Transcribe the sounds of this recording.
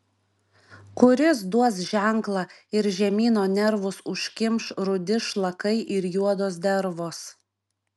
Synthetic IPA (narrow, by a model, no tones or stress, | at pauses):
kʊɾʲɪs̬d̪uɔsʒʲæˑŋklˠɑɪɾʒʲɛmʲiːnoːnʲɛɾʋʊsʊʃʲkʲɪmʃɾʊd̪ʲɪʃlˠɐkɐɪʔɪɾjuɔd̪oːsd̪ʲɛɾʋoːs